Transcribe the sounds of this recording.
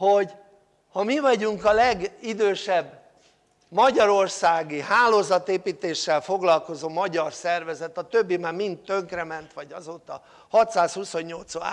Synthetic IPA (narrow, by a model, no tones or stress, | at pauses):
ho̞ɟ | hɒmivɒɟuŋkɒlɛɡid̪øːʃɛbː | mɒɟɒɾo̞rsaːɡiɦaːloːzɒt̪eːpiːt̪eːʃːɛlfo̞ɡlɒlko̞zoːmɒɟɒrsɛrvɛzɛt̪ɒt̪øbːimaːrmint̪ːøŋkrɛmɛnt̪ʋɒɟɒzoːt̪ɒ | hɒt̪saːshuso̞ɲːo̞lt̪soa̰